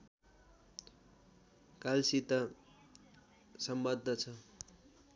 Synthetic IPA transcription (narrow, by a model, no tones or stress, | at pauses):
kalsit̪ʌ | sʌmbʌd̪ʱːʌt͡sʰʌ